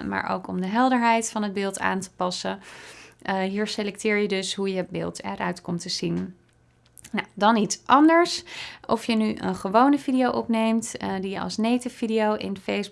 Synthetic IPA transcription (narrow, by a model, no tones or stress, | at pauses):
ma̰ːɹʔo̰wkɔmdəɦɛlˠdəɹɦɛjtfɑnɦəd̚bɪːlˠta̰ːntə̥pɑsə | ɦiːɹselɛk̚tɪːɹjədɵsɦujəbɪ̰ːlˠtɛɹʔœɥtkɔmtəzin | nawdɑnitsʔɑndəɹsʔɔfjənyʔə̰nχəʋownəvidijowʔɔpnejmtdijəʔɑ̰lˠsnejtəfidijowʔɪ̰nfejs